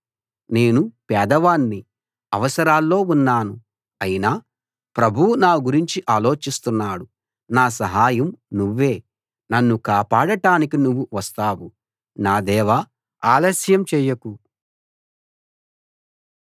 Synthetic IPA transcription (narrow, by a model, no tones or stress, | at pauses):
ne̞ːnupɛːd̪ɐʋaːnːi | ɐʋɐsɐɾaːlːo̞ːunːaːnu | ɐjinaː | pɾɐbʱuwunaːɡuɾiɲt͡ʃiʔaːlo̞ːt͡ʃist̪unːaːɽu | naːs̬ɐɦaːjɐmnuʋːe̞ː | nɐnːukaːpaːɽɐʈaːnikinuʋːuʋɐst̪aːwu | naːd̪ɛːʋɐ | aːlɐsjɐmt͡ʃɛːjɐku